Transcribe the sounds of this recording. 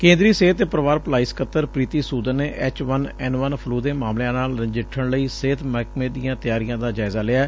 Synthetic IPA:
kẽːnd̪ɾiːseːt̪ːepɾəʋaːɾplaːiskət̪ːəɾpɾiːt̪iːsuːd̪əːeːʔɛːt͡ʃʋənɛːnʋənpʰluːd̪eːmaːmljãːnaːld͡ʒɪʈʰːəɳləiːseːt̪məkmẽːd̪ijãːt̪ɪjaːɾijãːd̪aːd͡ʒaːɪzaːlɪaː

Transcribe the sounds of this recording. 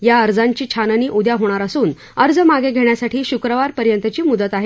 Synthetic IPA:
jaəɾd͡zaɲt͡ɕiːt͡ɕʰanəniːʔud̪jaɦoɽ̃aɾəsuːn | əɾd͡zəmaɡeɡʱeɳjasaʈʰiːɕukɾəʋaɾpəɾjənt̪ət͡ɕiːmud̪ət̪aɦe

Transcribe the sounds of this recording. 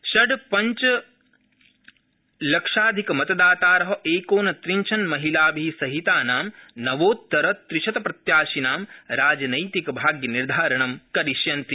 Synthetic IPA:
ʃɐɖpɐɲt͡ʃɐ | lɐkʂaːd̪ʱikɐmɐt̪ɐd̪aːt̪aːɾɐɦɐ̆ʔeːkoːnɐt̪ɾiɲt͡ʃʰɐnmɐɦilaːbʱiːsɐɦit̪aːnaːmnɐʋoːt̪ːɐɾɐt̪ɾiʃɐt̪ɐpɾɐt̪jaːʃinaːmɾaːd͡ʒɐnɐjt̪ikɐbʱaːɡjɐniɾd̪ʱaːɾɐɳɐmkɐɾiʃjɐnt̪i

